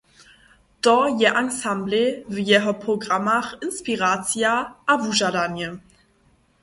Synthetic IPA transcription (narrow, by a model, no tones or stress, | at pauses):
d̥ɔjɛʔansamblevəjɛɦɔpʁoɡʁamaʁɪnspiʁat͡sjaʔavuʒadanjə